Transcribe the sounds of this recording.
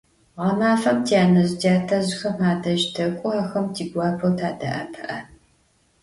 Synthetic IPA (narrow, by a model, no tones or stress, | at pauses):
ʁɐmaːfɐmtʰjaːnɐʑtʰaːtʰɐʑxɐmaːdɐʒtʰɐkʷʼʊaːxɐmtʰiːɡʷɑːpʰɐwtʰaːdɐ̰ʔɐpʰɐʔɐ